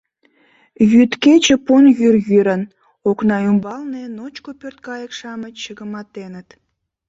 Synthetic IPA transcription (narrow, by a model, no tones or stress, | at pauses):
jyt̪ket͡ɕə̆ponjyrjyɾən | oknɑymbɑlnenot͡ɕkopørt̪̚kɑjəkʃɑmət͡ɕːəɣəmɑt̪enət̪